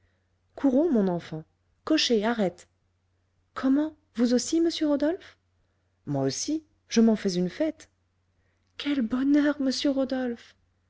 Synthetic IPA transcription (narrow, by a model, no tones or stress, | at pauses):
kʰuʁɔ̃mɔ̃nɑ̃fɑ̃ | kɔʃeaʁɛt̪ | kʰɔmɑ̃ | vuzosiməsjøʁod̪ɔlf | mwaosi | ʒəmɑ̃fɛzynfɛt̪ | kʲɛlbɔnœʁməsjøʁod̪ɔlf